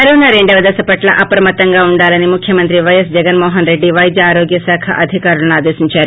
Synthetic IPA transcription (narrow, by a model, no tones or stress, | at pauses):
ɐɾunɐɾe̞ɳɖɐʋɐd̪ɐsɐpɐʈlɐʔɐpɾɐmɐt̪ːɐŋɡaːuɳɖaːlɐnimukʰjɐmɐnt̪ɾiʋɐjɐsd͡ʒɛɡɐnmɔːɦɐnɾe̞ɖːiʋɐjd͡ʒ̪ɐaːɾoːɡjɐsaːkʰɐ̰ʔɐd̪ʱikaːɾulɐnuaːd̪eːʃiɲt͡ʃaːɾu